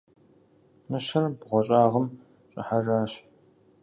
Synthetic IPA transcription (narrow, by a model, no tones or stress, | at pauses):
mɨɕɐrbʁʷɔɕʼaːʁɐm | ɕʼɐ̰ħaraːɕ